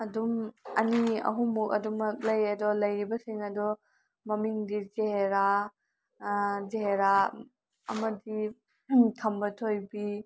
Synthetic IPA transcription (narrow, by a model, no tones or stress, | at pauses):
ɐdumɐniɐ̰ɦumukɐ̰dumɐk̚lɐjɐdɔlɐjɾibɐsiŋɐdɔ | mɐmiŋdizeɦeɾa | zeheɾa | ɐ̰mɐdi | tʰɐmbɐtʰojbi